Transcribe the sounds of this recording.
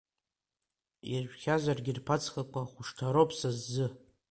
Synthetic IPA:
irʒʷᶣχʲazarɡʲɪrpʰat͡sʰχakʷʼaχʷʊʂtʰaɾopʰʼsazːɨ

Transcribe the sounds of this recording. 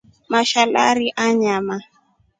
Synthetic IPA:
maʃala̰ɾiʔaɲama

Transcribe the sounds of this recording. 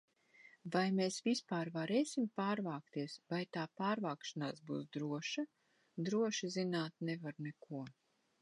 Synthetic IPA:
vajmeːsvispaːɾvaɾeːsʲimpaːɾvaːkt̪iɛsvajt̪aːpaːɾvaːkʃanaːsbṵːsd̪ɾuɔʃa | d̪ɾuɔʃizinaːt̪̚nɛvaɾnekuɔ

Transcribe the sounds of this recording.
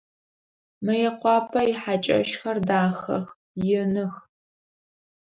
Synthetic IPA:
mɐjɛqʷɑːpʰɐjɪħat͡ʃʼɐ̰ʃxɐrdaːxɐ̰x | jɪnɨx

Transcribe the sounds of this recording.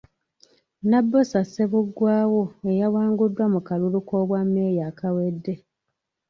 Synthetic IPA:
nabːosaseβuɡwaːwo̞ejawaːŋɡudːwamukalulukoːβwamːeːjaːkawedːe̞

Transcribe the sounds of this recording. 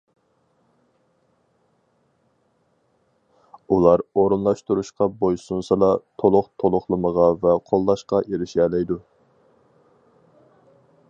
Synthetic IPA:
ulˠɑɾoɾunlˠɑʃt̪uɾuʃqɑbojsunsɨlɑt̪ʰolˠʊχt̪ʰolˠʊχlˠəməʁɑvɛqʰolˠːɑʃqɑʔeɾɪʃɛːlɛjd̪u

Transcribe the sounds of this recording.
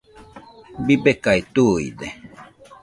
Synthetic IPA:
bibekait̪uḭd̪e

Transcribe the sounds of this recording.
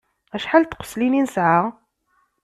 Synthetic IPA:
æʃħalt̪qə̥slininəsʕa

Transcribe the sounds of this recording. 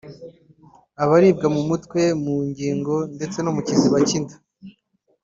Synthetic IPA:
aβaɾiːb̚ɡamumutkwe̞muɲɟiːŋɡo̞nde̞t͡se̞nomucinziβacindḁ

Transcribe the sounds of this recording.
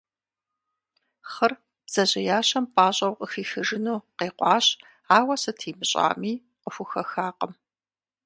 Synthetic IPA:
χɐr | b̥z̥ɐʑɐjaːɕɐmpʼaːɕʼɐwqʼəxiːxɨʒɨnuːqeːqʷʼɑːɕ | aːwɐsɨtʰiːmɨɕʼa̰ːmiː | qəfʷʊxɐxaːqəm

